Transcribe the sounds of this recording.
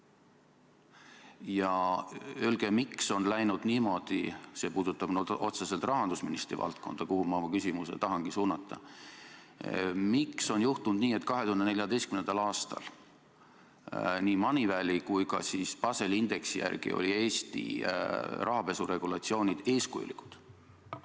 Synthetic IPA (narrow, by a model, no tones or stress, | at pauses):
jɑ | ølɡ̥e̞mikso̞nlæjnud̪̥niːmo̞d̪̥ḭse̞ːpuːd̪̥ut̪ːˑɑb̥nʔo̞t̪sese̞lt̪rɑɦɑnd̪̥usminist̪ɾḭvɑ̰lt̪̚ko̞̰nd̪̥ɑkuhumɑmɑkysʲimuse̞̰t̪ɑɦɑŋɡ̥isuːnːɑt̪ːˑɑ̰ | mikso̞njuht̪und̪niːe̞t̪ːˑkɑɦet̪uhɑnd̪ee̞lʲjɑd̪e̞jstkymnend̪̥ɑlɑːst̪ɑ̰l | niːmɑnʲivælʲikujkɑ̰sispɑse̞lind̪̥e̞ksijæ̰rɡ̥ḭo̰lʲie̞ːsʲt̪ḭ | rʔɑɦɑve̞sure̞ɡ̥ulɑt̪sio̞ːnʲid̪̥e̞ːskujṵlikːˑu̥d̪̥